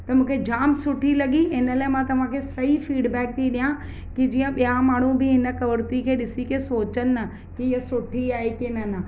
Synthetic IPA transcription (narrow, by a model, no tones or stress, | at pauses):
t̪ɐmũːkʰed͡ʑaːmsʊʈʰilɐɡiɪnəlaːemãt̪ɐʋ̤ãkʰesɐɦifiːɖbɛːk̚t̪ʰiɗijã | kid͡ʑiːə̃ɓijamaːɳ̤ubɪɦɪnə̆kɐʋəɾt̪ikʰeːɗɪsikesoːt͡ɕən̆ə | kiɪɦəsʊʈʰiaːekenɐnə